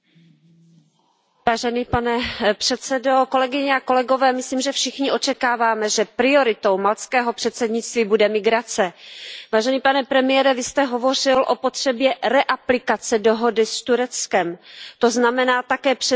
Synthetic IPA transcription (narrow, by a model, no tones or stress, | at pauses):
vaːʒɛniːpanɛpr̥ɛt̪t͡sɛdo̞ko̞lɛɡɪɲɛako̞lɛɡo̞vɛːmɪsliːmʒɛfʃɪxɲɪʔo̞t͡ʃɛkaːvaːmɛʒɛpɾɪo̞ɾɪt̪o̞wmalt͡skɛːɦo̞pr̝̥ɛt̪t͡sɛdɲɪt͡st̪viːbudɛmɪɡɾat͡sɛvaːʒɛniːpanɛpɾɛmɪjɛɾɛvɪst̪ɛɦo̞vo̞r̝ɪlʔo̞pot̪r̥ɛbjɛɾɛʔaplɪkat͡sɛdo̞ɦo̞dɪst̪uɾɛt͡skɛmt̪o̞znamɛnaːt̪akɛːpr̥ɛ